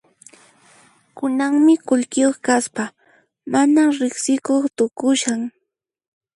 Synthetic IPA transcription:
kʊnaŋmɪkʊʎkɪjoχkaspa | manaɾɪχsɪkoχt̪ʊkʊʃaŋ

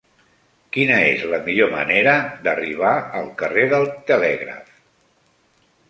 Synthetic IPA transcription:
kinəḛzləmiʎomə̰neɾəd̪əriβ̞aəlˠkəreðəlˠt̪əlɛɣɾə̰f

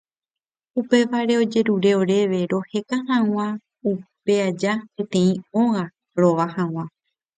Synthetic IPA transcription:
upe̞ʋaɾe̞o̞d͡ʒe̞ɾuɾe̞o̞ɾe̞ʋe̞ɾo̞he̞kaɦãw̃ã | upe̞ad͡ʒapẽt̪ẽ̞ĩõ̞ɣã | ɾo̞ʋahãw̃ã

